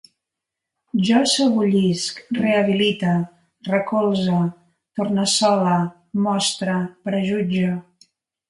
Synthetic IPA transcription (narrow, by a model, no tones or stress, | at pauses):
ʒɔsəβuʎiskreəβ̞ilit̪ə | rəkolˠzə | t̪ornəsɔlə | mɔst̪ɾəpɾəʒud͡ʒə